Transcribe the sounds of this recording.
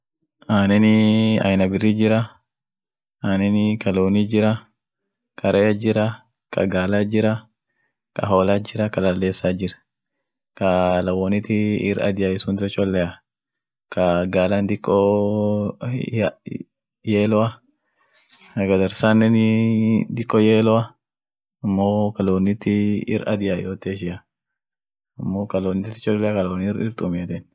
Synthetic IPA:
ʔaːnɛnɪɐ̰jnɐbɪrːid͡ʒɪɾɐ | aːnɛnɪkɐloːnid͡ʒɪɾɐ | kʰɐɾɐjɐd͡ʒɪɾɐ | kʰɐ̰ɡaːlad͡ʒɪɾɐ | kɐ̰ɦoːlad͡ʒɪɾɐkɐlɐlːeːsaːd͡ʒɪɾɐ̥ | kɐlɐwɔnɪt̪ɪːɾɐ̰d̪ɪjaɪsunt̪ɔt͡ʃʼɔlːɛɐ | kʰɐɡaːland̪ɪkʼːɔ | jeːlɔɐ | kɐɡɐd̪ɐɾsaːnːɛn | d̪ɪkʼːɔjeːlɔɐ | ɐmːoːkɐloːnːɪt̪ːɪɪ̰ɾʔɐ̰d̪ɪjajoːt̪eːʃ̬ɪjɐ | ɐmːokɐloːnɪt̪ɪt̪ːɪ̥t͡ʃʼɔlːɛakɐlɐwnɪɾɪɾt̪ʼʊmɪɐd̪ɛn

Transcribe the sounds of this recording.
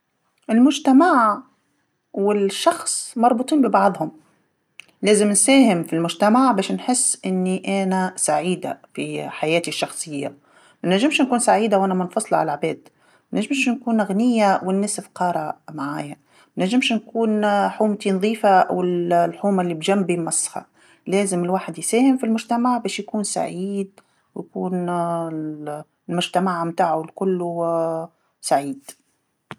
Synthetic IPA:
ʔɪlmʊd͡ʒt̪amaʕ | wɪlʃːɑxsˤmɑɾˤbʊt̪ˤiːnbɪbɑʕðˤhʊm | leːzɪmnsæːhɪmfilmʊd͡ʒt̪amaʕbaːʃnħɪsːʔɪnːiʔanasaʕiːd̪a̰fḭħajaːt̪iʃːɑxsˤɨjːa̰ | manaʒːɪmʃnkuːnsaʕiːd̪awʔanamanfɑsˤlʕa̰lʕbeːd̪ | manaʒːɪmʃnkuːnɣnɪjːawɪnːæsɪfqɑːɾˤɑmaʕa̰ːja | mnæʒːɪmʃnkuːnħuːmt̪inðˤiːfaʔa̰wɪllħuːmalːibʒæmːbimɑsˤːhɑ̰ | leːzɪmɪlwaːħɪd̪jsæːhɪmfilmʊʒt̪amaʕbɛːʃjkuːnsa̰ʕiːd̪̚ | wjkuːn | lmʊʒt̪amaʕmt̪aːʕʊlkʊlːu | saʕiːd̪̥

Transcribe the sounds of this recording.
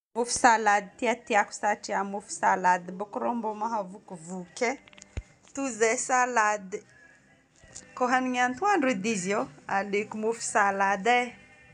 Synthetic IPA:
mufi̥salad̪it̪iat̪iaku̥saʈ͡ʂiamufi̥salad̪bukɾombomaɦavukuvuke | t̪uzesalad̪i | koɦaniŋant̪uaɳɖ͡ʐud̪izjoalekumufi̥salad̪e

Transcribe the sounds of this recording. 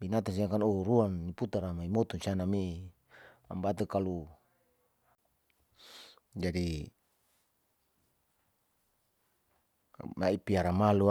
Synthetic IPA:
binat̪ans̬iakanoɾuanːiput̪aɾamaimɔt̪ɔnsianami | a̰mbat̪ukalu | d͡ʒadi | maipiaɾamalu

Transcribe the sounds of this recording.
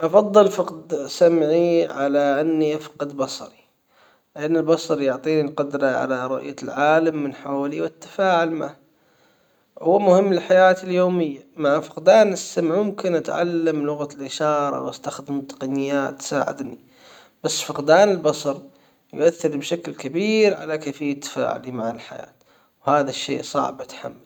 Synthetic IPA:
ʔɑfɑðˤːɨlfɑqd̪samʕiʕalaʔanːiʔafqɑd̪bɑsˤɑɾˤi | lɪʔanːɪlbɑsˤɑɾˤjʊʕt̪ˤiːnilqʊd̪ɾˤɑʕa̰laɾˤʊ̰ʔjalʕaːlamːɪnħaːliwɪt̪ːḁfaːʕʊlmah | hʊwːmʊhɪmːlɪlħajaːt̪ɪljoːmɪjːamaʕfɪqd̪aːnɪsːamʕmʊmkɪnʔat̪ʕa̰lːamlʊɣalʔɪʃɑːɾˤɑ̰wʔast̪axd̪ɪmt̪ːɑ̥qɑnɪjːaːt̪ːsa̰ːʕɪ̰d̪ni | b̥asːfɑqd̪aːnɪlbɑsˤɑɾˤ | jʊ̰ʔaθːɪɾbʃaklkabiːɾʕa̰lakeːfɪjːat̪ːḁfa̰ːʕʊ̰limaʕalħa̰ja̰ːt̪ | whaːðaʃːḛːʔsˤɑ̰ʕbʔat̪ħa̰mːal

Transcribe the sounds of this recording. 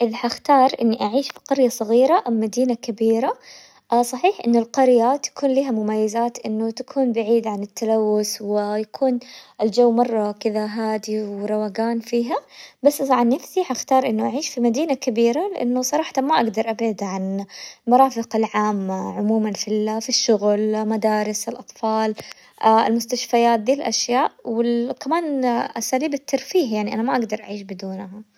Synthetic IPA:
ʔɪðħaxt̪ɑːɾˤʔɪnːiʔaʕiːʃfi̥qɑɾjasˤɑɣiːɾaʔammːad̪iːnakabiːɾa | ʔsˤɑħiːħʔɪ̰nːʊlqɑɾjat̪ḁkuːnliːɦamʊmajːazaːt̪ʔɪnːʊt̪akʰuːnbaʕiːd̪ʕanɪt̪ʰːalawːʊswɪjakʰuːnʔɪld͡ʒawːmɑrˤːɑkɪðaɦaːd̪iwɾˤɑwaɡaːnfiːɦabasːʔʕanːɪfsiħaxt̪ɑːɾˤʔɪnːʊʔaʕiːʃfimad̪iːnakabiːɾalɪʔa̰nːʊsˤɑɾˤɑːħt̪amaʔaɡd̪ɑɾˤʔabʕad̪ʕanlmɑɾˤɑːfɪqalʕaːmːaʕʊmuːmanfilafiʃːʊɣlmad̪aːɾɪsɪlʔɑt̪ˤfɑːl | ʔa̰lmʊst̪aʃfajaːt̪̚d̪iːlʔaʃjaːʔwɪlkamaːnʔasaːliːbɪt̪ʰːɑɾˤfiːhjaʕniʔanamaʔaɡd̪ɑɾˤʔa̰ʕiːʃbɪd̪uːnɦa

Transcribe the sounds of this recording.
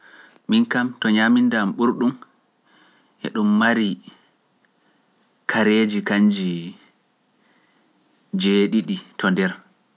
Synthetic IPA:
minkamtɔɲamindamɓuɾɗum | ʔɛ̰ɗumːaɾi | kʰaɾeːd͡ʒikaɲd͡ʒi | d͡ʒeɗiɗitʰɔndɛɾ

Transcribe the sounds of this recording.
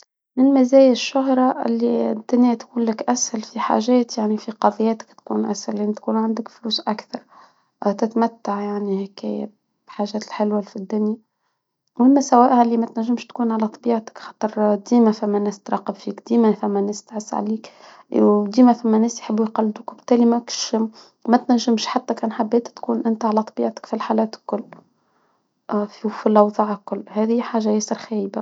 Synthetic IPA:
mɪnmæzæːjæʃːʊɦɾˤɑʔɪ̰lːid̪ːʊnjat̪kuːnlɪkʔæshælfiħa̰ʒɛːt̪jaʕnifiqɑðˤjːæːt̪ɪ̥kt̪kṵːnʔæ̰shælnt̪kuːnʕand̪əkfluːsʔækθɑɾˤ | t̪ɪt̪mæt̪ːaʕjaʕnihɪkæ̰ːjæ̰ | b̥ħaːʒæːt̪lħɪlwæfid̪ːʊnja | whɪmːæsæwæːʔhlːimæt̪næʒːəmʃt̪kuːnʕalæt̪ˤɑbiːʕt̪ɪ̥kxɑ̥ːt̪ˤɾˤd̪iːmæfæmːænːæːst̪ɾˤɑːqəbfiːkd̪iːmæfæmːænːæːst̪ʕəsːʕa̰liːk | d̪iːmæfæmːænːæːsjħəbːujqɑlːd̪ʊkbt̪ːæːlimækʃ | mæt̪næʒːɪmʃħat̪ːækæːnħabːæːt̪t̪kuːnʔɪnt̪ʕalæt̪ˤɑbiːʕt̪ɪ̥kfilħalæːt̪ɪ̥lkʊlː | ffilʔɑwðˤɑːʕɪlkʊlːhæːðiħaːʒæjæsəɾxæːjba

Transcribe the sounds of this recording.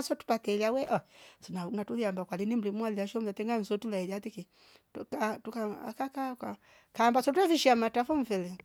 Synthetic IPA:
sɔtu̥patɛliawɛʔɔsɔnauŋatuliambakwalinim̩limualiaʃɔm̩latɛŋɡan̩sɔtulaijatiki | tkatukaa̰kakaka | kaːmbasɔtuɛfiʃiamatafɔm̩fɛlɛ

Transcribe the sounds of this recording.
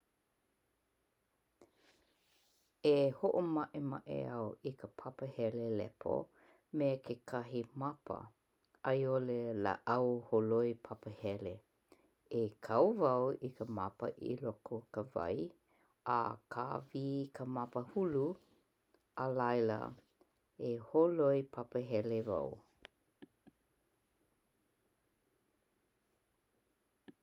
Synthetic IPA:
ehoʔomaʔemaʔḛawikʰəpʰapəhɛlelɛ̰pʰo̰ | mekʰekʰaɦimapʰə̰ | ɐjolelə̰ʔɐwholoipʰapəhɛle | ekʰɐwvɐwikəmapə̰ʔḭlɔkʰokəvɐ̰j | a̰kʰaviːkʰəmapəhulu | əlajlə̰ | eholojpʰapəɦɛleva̰w

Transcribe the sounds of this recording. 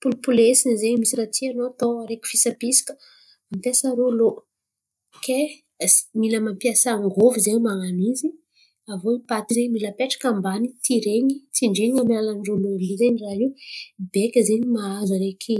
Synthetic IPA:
pulupulesinizeɲmisiɾat͡sianot̪oɾekʲi̥fisapisi̥kə̥ | ampasaɾolo | ke̥ | miləmampjasaaŋɡovizewmaŋanizi | avoipat̪izeɲmiləpeʈ͡ʂḁkambanit̪iɾeŋit͡siɳɖ͡ʐiiŋamilalaɳɖ͡ʐololizeɲiraɦibekʲəzeɲimaazaɾekʰi

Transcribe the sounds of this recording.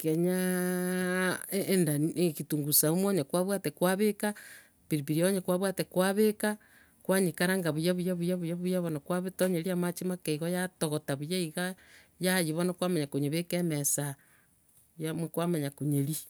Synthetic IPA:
keɲa | ndaekituŋɡusaumoɲakwaβwatekwaβeka | βiɾiβiɾioɲakwaβwatekwaβeka | kwaɲikaɾaŋɡaβujaβujaβujaβujaβujaβonakwaβetoɲeɾiamat͡ʃimakeiɣojatoɣotaβujaiɣajajiβonakwamaɲakoɲeβekemesa | jamkwamaɲakoɲeɾi

